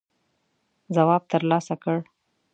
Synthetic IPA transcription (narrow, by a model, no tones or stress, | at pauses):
zawɑb̚t̪əɾlɑsakəɽ